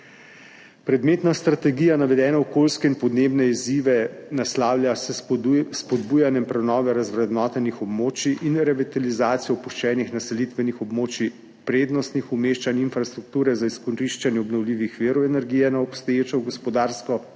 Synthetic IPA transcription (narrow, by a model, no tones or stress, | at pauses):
pɾɛd̪meːt̪nast̪ɾat̪ɛɡiːjanaʋɛd̪ɛːnaɔkoːlskɛinpɔd̪neːbnɛiziʋɛnaslaːwlʲjʲasspɔd̪buːjanjɛmpɾɛnɔːʋɛɾazʋɾɛd̪nɔːt̪ɛnixɔbmoːt͡ʃiʔinɾɛʋit̪alizaːt̪sijɔpuʃt͡ʃɛːnixnasɛlit̪ʋɛnixɔbmoːt͡ʃi | pɾeːd̪nɔst̪nixumeʃt͡ʃaninfɾast̪ɾuk̚t̪uːɾɛzaiskɔnɾiʃt͡ʃanjɛɔbnɔwliːʋixʋeːɾɔwɛnɛɾɡijɛnaɔpst̪ɔjeːt͡ʃɔɡɔspɔd̪aːɾskɔ